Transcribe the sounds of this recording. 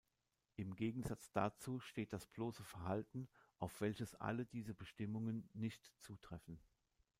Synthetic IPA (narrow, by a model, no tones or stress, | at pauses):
ʔɪmɡeːɡŋ̩zat͡sd̥at͡suːʃteːt̚d̥asb̥loːsəfɛɐhaltn̩ʔaʊfv̥ɛlçəsʔa̰lədiːzəbəʃtɪmʊŋənːɪçtt͡suːtʁ̥ɛfn̩